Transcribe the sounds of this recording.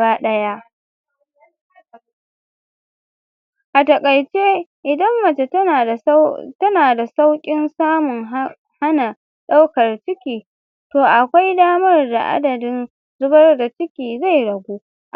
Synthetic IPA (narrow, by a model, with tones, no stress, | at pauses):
aː˦ɗɐ˦ja˦ | ʔa˨tɐ˨kʼɐ˨jt͡ʃe˦ʔɪ˨dɐ˦mːɐ˨t͡ʃe˨tɐ˦naː˨tɐ˦naː˨da˨sa˦wkʲʼɪ˦nsaː˦mʊ˨ŋ | ha˦na˨ | ɗa˦wkɐ˨rt͡ʃɪ˦kʲiː˨ | toː˨ʔa˨kʷa˦jdaː˦mɐ˦rda̰˨ʔa̰˦dɐ˨dɪ˦n | zʊ˦bɐ˦rda˨t͡ʃɪ˦kʲiː˨za˦˨jɽɐ˨ɡʷuː˦ | ʔ